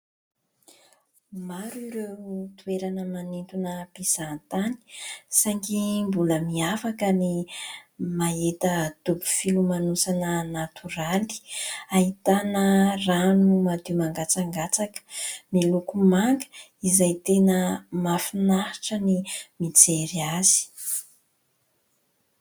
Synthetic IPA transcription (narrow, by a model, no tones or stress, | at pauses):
maɾiɾewt̪ueɾanəmanint̪unəpisant̪ani̥saŋkimbuləmiafakəni | maet̪ət̪ubu̥filumanusanənat̪uɾali̥aɦit̪anəranumad̪imaŋɡat͡saŋɡat͡sakə̥milukumaŋɡə̥izajt̪enəmafinahiʈ͡ʂənimit͡seɾiaz̥i̥